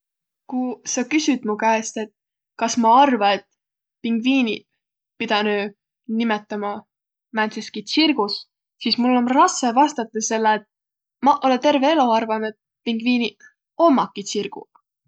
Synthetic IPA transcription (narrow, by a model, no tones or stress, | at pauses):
kusɑkysyd̪̥mukæest̪e̞t̪̚ | kɑsmɑɑrvɑe̞t̪ | piŋɡ̥viːni | pid̪̥ɑnøː | nimet̪ːˑɑmɑ | mænt̪seskisirɡ̥us | sismulːo̞nrɑse̞vɑst̪ɑt̪ːˑɑse̞lːeːt̪̚ | mɑʔo̞let̪e̞rve̞e̞loɑrvɑne̞t̪̚ | piŋɡ̥viːni | omːɑkːisirɡ̥ṵ